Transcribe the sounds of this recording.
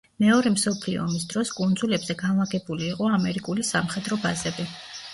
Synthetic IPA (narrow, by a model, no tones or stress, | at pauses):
mɛɔɾɛmsɔpʰliɔ̰ːmisd̪ɾɔskʼund̪zulɛbzɛɡanlaɡɛbuliːqʼɔamɛɾikʼulisamχɛd̪ɾɔbazɛbi